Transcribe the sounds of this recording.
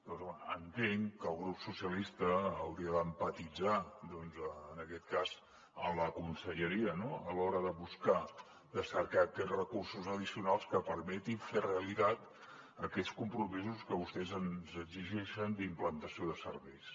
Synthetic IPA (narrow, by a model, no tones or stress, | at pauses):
d̪ɔənt̪eŋkəlˠɣɾupsusiəlist̪əːwɾiəðəmpət̪id͡zad̪ɔnzəːnəkɛt̪̚kaz | ənləkunsəʎəɾiənoəlɔɾəðəβuska | d̪əsəɾkakɛrəkursuzəðisiunalˠskəpəɾmɛt̪iɱfereəlit̪at̪ | əkɛskumpɾumizuskəβust̪ɛzənzəɡziʒɛʃənd̪implənt̪əsioðəsə̰ɾβɛjs